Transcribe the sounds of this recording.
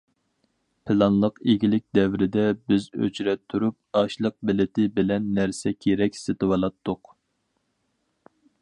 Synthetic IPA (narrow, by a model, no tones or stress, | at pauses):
pʰɪlˠɑnlˠəqeɡʲilɪk̚ʲd̪ɛvɾɪd̪ɛbɪzø̰t͡ʃɾɛp̚t̪ʰːuɾup̚ɑʃlˠəq̚bɪlɪt̪ʰɪbɪlɛnːæɾsɛkʲʰeɾɛkʲsɪt̪ɨwɑlˠɑt̪ʰːʊq